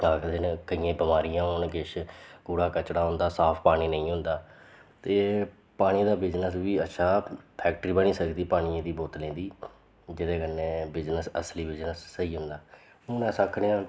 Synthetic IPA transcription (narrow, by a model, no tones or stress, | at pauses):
aːkd̪ɪnkəijãːbɪmaːɾijãːɦoːnɡɪʃɡuːɽaːkət͡ʃɽaːɦʊ̃nd̪aːsaːpʰpaːɽ̃iːnə̃ĩːɦʊ̃nd̪aː | t̪eː | paːɽ̃iːd̪aːbɪd͡ʒnəsʋiːətːʃʰaːpʰɛːk̚ʈəɾiːbəñĩːsəkd̪iːpaːɽ̃ĩẽːd̪iːboːt̪lẽːnd̪iː | d͡ʒɪd̪eːkənːẽːbɪd͡ʒnəsəsliːbɪd͡ʒnəsːəiːɦʊ̃nd̪aː | ʊnɛ̃ːsakʰɽẽːã